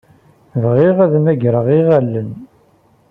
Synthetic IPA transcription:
vʁiʁæðmæɡɾəʁiʁælːən

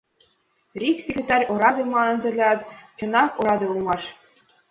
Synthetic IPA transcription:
rʲiksʲekʲrʲet̪ɑrʲoɾɑd̪ʲɤmɑɤ̆nd̪ɘ̆lʲɑt̪t͡ɕɤ̆nɑkoɾɑd̪ɤ̆ulˠmɑʃ

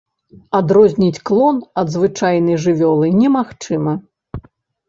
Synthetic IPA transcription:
ad̪ɾɔzʲnʲit͡sʲklˠɔnɐd̪zvɨt͡ʂajnɐjʐɨvʲɔlˠɨnʲɛmaxt͡ʂɨmɐ

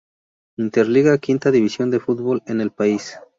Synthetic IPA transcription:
int̪eɾliɣakint̪aðiβisjo̞nd̪e̞fut̪̚bo̞lene̞lpais

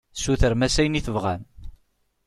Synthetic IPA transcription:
suθəɾmæsæjniθəvʁæ̰n

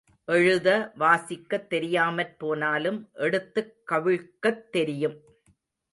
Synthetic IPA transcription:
ʔɛɻɯðɐʋaːsɪkːɐt̪ːɛɾɪjaːmɐrpoːnaːlɯmʔɛɽɯt̪ːɯkːɐʋɪɻkːɐt̪ːɛɾɪjɯm

